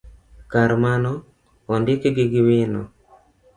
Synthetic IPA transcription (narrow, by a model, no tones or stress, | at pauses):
kaɾmanɔ | ɔndɪkeɡɪɡɪwɪnɔ̰